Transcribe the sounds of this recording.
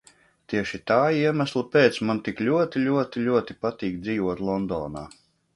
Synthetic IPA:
t̪iɛʃit̪aːiɛmæslˠupeːt̪smant̪iklʲuɔt̪ilʲuɔt̪ilʲuɔt̪ipat̪iːkd̪ziːvuɔt̪lˠɔnd̪ɔ̰ːna̰ː

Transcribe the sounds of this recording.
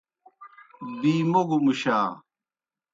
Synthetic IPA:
biːmoɡumuɕaː

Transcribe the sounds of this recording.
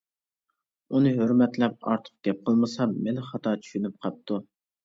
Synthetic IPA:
unɨɦøɾmɛt̪lɛp̚ɑ̰ɾt̪ʰə̥q̚ɡ̥ʲɛp̚qʰəlˠmɨsɑmɛnχɑt̪ʰɑt͡ʃʰy̥ʃynyp̚qʰɑp̚t̪ʰu

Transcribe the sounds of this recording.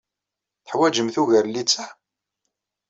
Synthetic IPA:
θə̥ħwæd͡ʒəmθuʝəɾlit͡sːæ

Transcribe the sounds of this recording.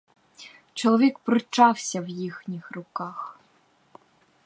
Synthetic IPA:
t͡ʃɔlˠɔʋʲikpɾɪt͡ʃɑwsʲɐwjixnʲixrʊkɑx

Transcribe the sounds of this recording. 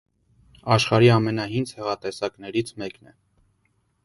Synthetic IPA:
ɑʃχɑɾiɑmɛnɑɦind͡zhɛʁɑt̪ɛsɑknɛɾit͡sʰmɛknɛ̰

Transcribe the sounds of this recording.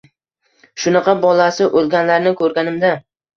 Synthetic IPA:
ʃʊnɑqɑbɒlasɪʔolˠɡʲanlaɾnɪkʰɵɾɡʲanɪmd̪a

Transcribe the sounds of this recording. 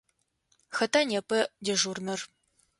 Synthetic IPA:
xɐtʰanʲepʰʼɐdeʒurnɨr

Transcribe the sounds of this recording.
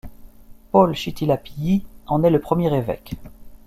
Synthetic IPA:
pɔlʃit̪ilapijiɑ̃nɛləpχəmjɛʁevɛ̰k

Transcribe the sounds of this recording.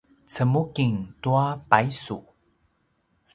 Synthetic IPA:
t͡səmukiŋtuapajsu

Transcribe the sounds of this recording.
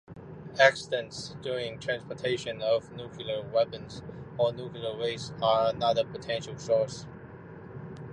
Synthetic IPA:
æksɪdə̃ntsd̥uɹɪ̃ŋtʰɹ̥æ̃nspɔtʰeɪʃə̃nʌvnukʰllˠə˞wɛpə̃nzənuklilə˞weɪsəənʌðə˞pʰətʰɛ̃nʃəl̩ˠsɔɹs

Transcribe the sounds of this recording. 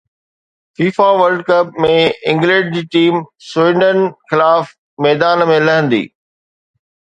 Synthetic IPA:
fiːfaʋəɾlɖkɐp̚mẽɪ̃ŋɡlɛ̃ɖ̚d͡ʑiːʈiːmswɪ̃ɳɖənxɪlaːf | mɛːd̪aːnmẽlɐɦə̃nd̪ḭː

